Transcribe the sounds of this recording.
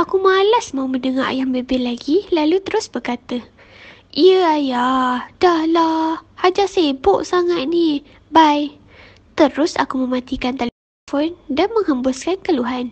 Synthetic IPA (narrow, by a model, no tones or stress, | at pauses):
ʔakumalasmawməndəŋa̰ʔjaŋbəbɪhlaɡilalut̪əɾʊsbəkat̪ə | ʔiəajad̥ahlahhad͡ʒaʔseboʔsaŋat̪̚ni | baj | t̪əɾʊsa̰kumə̃mat̪ikant̪al | fɔndanmə̃ŋhəmbʊskankəluɦan